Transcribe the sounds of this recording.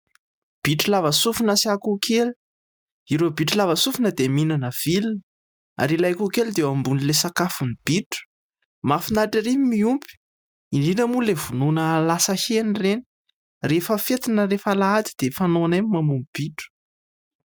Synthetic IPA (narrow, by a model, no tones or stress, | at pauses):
b̥iʈ͡ʂulavəsufunəsiakukʰeli̥ | iɾobiʈ͡ʂulavəsufinəd̪eminanəv̥ilin | a̰ɾilajkukeld̪eambunilesakafunib̥iʈ͡ʂu̥ | mafinaʈ͡ʂiɾimiumpi̥ | inɖ͡ʐinəmulevununəlasəhenireni̥ | refəfet̪inəɾefalaat̪i̥d̪̥efanoanammamumib̥iʈ͡ʂu̥